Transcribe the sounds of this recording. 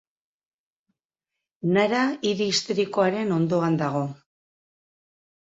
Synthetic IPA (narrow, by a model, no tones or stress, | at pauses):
naɾaiɾiːst̪oɾiko̞aɾe̞no̞nd̪o̞and̪aɣ̞o̞